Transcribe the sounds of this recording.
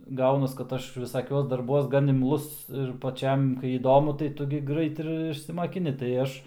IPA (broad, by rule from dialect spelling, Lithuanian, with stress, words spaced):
ˈɡɐʊnɐs kɐt ˈɐʃ ʋʲɪˈsɑːkʲuɔs dɐrˈbuɔs ɡɐn ɪmˈlˠʊs ɪr pɐˈt͡ʃʲɛm kɐɪ iːˈdoːmʊ tɐɪ ˈtʊ ɡʲɪ ˈɡrɐɪt ɪr ɪʃʲsʲɪmɐkʲɪˈnʲɪ tɐɪ ˈɐʃ